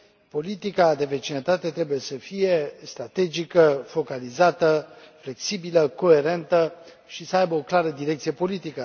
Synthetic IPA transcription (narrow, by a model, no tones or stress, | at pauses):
po̞lit̪ikad̪e̞ve̞t͡ʃinət̪at̪e̞t̪ɾe̞buje̞səfije̞st̪ɾat̪e̞d͡ʒikəfo̞kalizat̪əfle̞ksibiləko̞e̞ɾe̞nt̪ə | ʃisəajbəoklaɾəd̪iɾek̚t̪sijepo̞lit̪ikə